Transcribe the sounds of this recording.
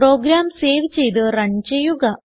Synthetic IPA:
ɾoːɡɾaːmseːʋt͡ɕejd̪ɨɾɐɲd͡ʑɐjuɡɐ

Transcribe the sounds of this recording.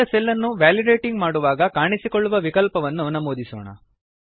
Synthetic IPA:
ɐsɛlːɐnːuʋaːliɖeːʈiŋɡmaːɽuʋaːɡɐkaːɳisikoɭːuʋɐʋikɐlpɐʋɐnːunɐmoːd̪isɔːɳɐ̰

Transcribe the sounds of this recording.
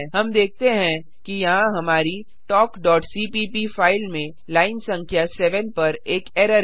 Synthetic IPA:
ɦɐmd̪eːk̚ʰt̪eɦɛ̃ | kijɐɦãɦɐmaːɾi | ʈɔːkɖɔːʈsiːpiːpifaːɪlmẽ | laːɪnsɐ̃ŋkʰjasɛːʋənpɐɾeːkɛːɾəɾ

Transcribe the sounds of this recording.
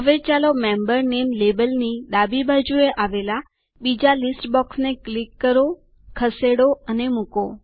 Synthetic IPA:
ɦəʋet͡ʃalomembəɾnemlebəlnid̪abibʱad͡ʒueʔaʋela | bid͡ʒalisʈbɔksneklikːəɾo | kʰəseɽoənemuko

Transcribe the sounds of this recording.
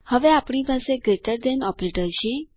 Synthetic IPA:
həʋeapɳ̃ipaseɡɾeʈəɾd̪ɛnɔpɾeʈəɾʃi

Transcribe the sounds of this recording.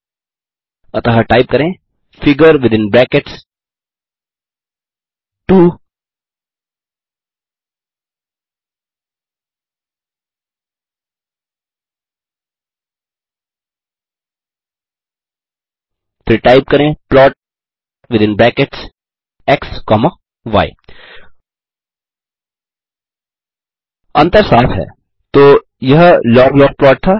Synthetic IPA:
ɐt̪ɐɦaʈaɪp̚kɐɾẽ | fɪɡəɾʋɪd̪ɪ̃nbɾɛkeʈs | ʈuː | t̪ɾeʈaːɪp̚kɐɾẽplɔːʈ̚ | ʋɪd̪ɪ̃nblɛ̃ːkeʈs | ɛkskɔːma | ʋa̰ːḭ | ɐ̃nt̪əɾsaːfɦɛ̰ː | t̪oː | jɐɦlɔːɡlɔːɾɡ̚plɔːʈ̚t̪ʰaː

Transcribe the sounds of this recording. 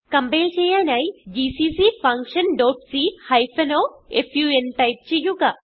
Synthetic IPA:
kɐmbelt͡ʃʰejanajd͡ʒisiːsiːpʰɐŋkʃɐnɖoːʈsiːhajpʰɐnoːefʰjuːenʈɐjp̚t͡ʃʰijuka

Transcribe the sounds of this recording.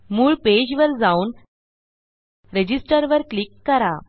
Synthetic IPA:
muːɭped͡ʑʋəɾd͡zauːn | ɾed͡ʑisʈəɾʋəɾklikːəɾa

